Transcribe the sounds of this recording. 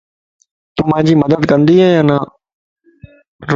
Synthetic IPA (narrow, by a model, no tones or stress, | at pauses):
t̪ʊm̤ãːd͡ʑiːməd̪əd̪kə̃nd̪iːɦɛːaːnaː | ɾ